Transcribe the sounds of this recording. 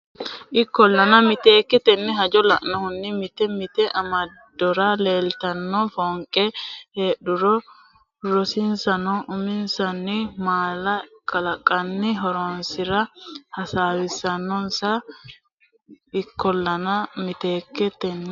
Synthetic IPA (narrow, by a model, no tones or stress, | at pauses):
ʔɪkːɔlːɐnɐmɪt̪e̞ːkːɛt̪ɛnːɛɦɐd͡ʒɔlɐ̰ʔnɔhʊnːɪmɪt̪ɛmɪt̪ɛʔɐmɐd̪ːɔɾɐleːlt̪ɐnːɔfoːŋkʼɛheːɗʊɾɔ | ɾɔsɪnsɐnɔʔʊmɪnsɐnːɪmaːlɐkʼɐlɐkʼːɐnːɪɦɔɾoːnsɪɾɐhɐsaːwɪsɐnːɔnsa | ɪkːɔlːɐnɐmɪt̪eːkːɛt̪ɛnːɛ